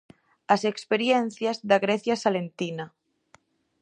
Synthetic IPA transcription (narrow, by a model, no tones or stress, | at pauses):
asekspeɾjen̟θjazðaɣɾeθjasalent̪ina